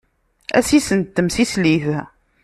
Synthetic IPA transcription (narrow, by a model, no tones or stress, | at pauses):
æ̰sisənt̪ːəmsisliθ